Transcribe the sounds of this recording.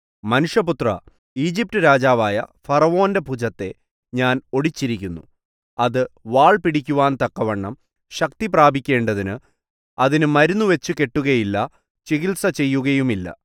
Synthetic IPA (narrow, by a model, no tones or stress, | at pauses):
mɐnuʂjɐput̪rɐ | iːd͡ʑip̚tɨɾaːd͡ʑaːʋaːjɐ̰fɐrɐʋo̞ːnde̞bʱud͡ʑɐt̪ːe̞ | ɲaːno̞ɽit͡ɕːiɾikʲːunːṵ | ɐðɨʋaːɭpiɽikʲːuʋaːnt̪ɐkːɐʋɐɳːɐm | ɕɐk̚t̪ipraːbʱikʲːe̞ːɳɖɐðinɨ | ɐðinɨmɐɾunːuʋe̞t͡ɕːuke̞ʈːuɣɐjilːɐ | t͡ɕeɣilsɐt͡ɕe̞jːuɣɐjumilːɐ̰